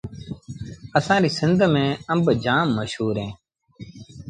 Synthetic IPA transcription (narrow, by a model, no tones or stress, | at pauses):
əsãːɾiːsɪnd̪ʱmẽːəmbd͡ʒaːmːəʃɦuːɾɦẽː